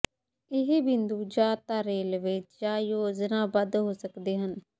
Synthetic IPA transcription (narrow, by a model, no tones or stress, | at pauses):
ɪɦebɪnd̪uːd͡ʒaːt̪aːɾeːlʋɪt͡ʃd͡ʒaːjoːd͡ʒnãːbəd̪ɦoːsəkd̪eːɦən